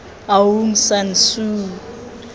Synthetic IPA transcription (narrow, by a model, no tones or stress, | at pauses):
awum̩sansuː